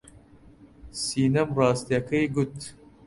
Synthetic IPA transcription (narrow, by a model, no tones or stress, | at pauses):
siːnɐmrɑːst̪ijɐkʰɐjɡut̪